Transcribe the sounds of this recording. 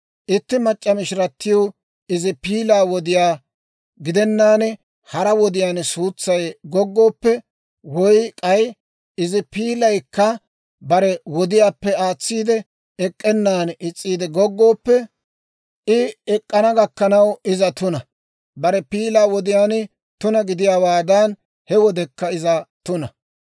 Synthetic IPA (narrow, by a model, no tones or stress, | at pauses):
ʔɪt̪ːɪmɐt͡ʃʼːɐmɪʃɪɾɐt̪ːɪjo | ɪzɪpiːlaːwɔd̪ɪjaː | ɡɪd̪ɛnːaːn | hɐɾɐwɔd̪ɪjaːnsuːt͡sːɐjɡɔɡːo̞ːpːɛ | wɔjkʼɐj | ɪzɪpiːlɐjkːɐ | bɐɾɛwɔd̪ɪjaːpːɛaːt͡sːiːd̪ɛ | ɛkʼːɛnːaːnɪt͡sʼːiːd̪ɛɡɔɡːo̞ːpːɛ | ɪɛkʼːɐnɐɡɐkːɐnɐwɪzɐt̪ʊnɐ | bɐɾɛpiːlaːwɔd̪ɪjaːn | t̪ʊnɐɡɪd̪ɪjaːwaːd̪ɐn | hɛwɔd̪ɛkːɐɪzɐt̪ʊnɐ